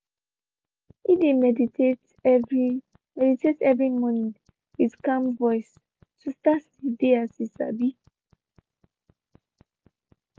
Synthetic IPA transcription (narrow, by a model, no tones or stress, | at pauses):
idemɛdiet | v | mɛditetɛvɹimɔnĩŋ | widkãmvɔjs | sustas | ideasisa̰bi